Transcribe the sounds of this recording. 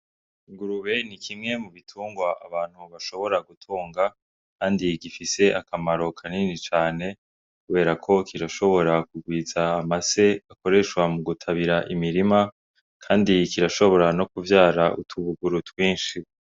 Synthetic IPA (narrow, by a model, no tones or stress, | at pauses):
iŋɡuɾuβe̞nikimŋe̞muβitʰuːŋɡwaʔaβaːn̥huβaʃo̞βo̞ɾaɡutʰoːŋɡa | kʰaːndiɡifise̞ʔakʰamaɾo̞kʰaninit͡ʃaːne̞ | kuβe̞ːɾakʰo̞kiɾaʃo̞βo̞ɾakuɡwiːzaːmase̞akoɾe̞ʃwamuɡutʰaβiɾaʔimiɾima | kʰaːndikiɾaʃo̞βo̞ɾano̞kuvjaːɾaʔṵtʰuβuɡuɾutwiːnʃi